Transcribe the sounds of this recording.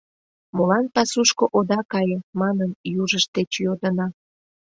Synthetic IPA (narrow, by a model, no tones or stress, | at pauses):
molɑnpɑsuʃkoʔod̪ɑkɑjəmɑnənjuʒəʃt̪et͡ɕjod̪ənɑ